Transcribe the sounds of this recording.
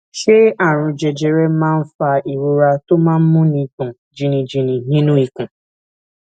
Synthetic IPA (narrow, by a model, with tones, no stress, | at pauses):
ʃe˦a˨ɾ̃ʊ̃˨d͡ʒe˨d͡ʒe˨ɾe˦mã˦n̩˦fa˦i˨wo˦ɾa˦to˦mã˦m̩˦mʊ̃˦ni˨kʊ̃˨ | d͡ʒi˨ni˨d͡ʒi˨ni˨ɦĩ˦nũ˦i˨kũ˨